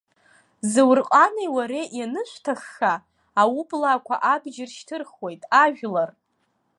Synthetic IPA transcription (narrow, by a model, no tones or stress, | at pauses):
zɨwrqʼanejwaɾeʔjanɨʃʷtʰaχːaː | wubʼlaːkʷʰa̰ʔabd͡ʒɪrʃtʰɨrχwo̞jtʼaʒᶣlar